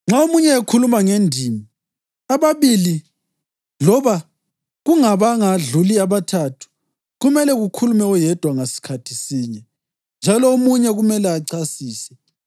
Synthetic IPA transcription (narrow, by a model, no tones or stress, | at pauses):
ŋ͡ǁaomuɲɛekʰulumaŋendʱiːmi | aβaβili | lɔβa | ɣuŋaβaŋaɮuliaβatʰatʰu̥ | ɣumɛlɛɣukʰulumɛujɛd̥ʱwaŋasi̥kʰatʰi̥siːɲɛ | nd͡ʒʱalɔomuɲɛɣumɛlɛaǀasiːsɛ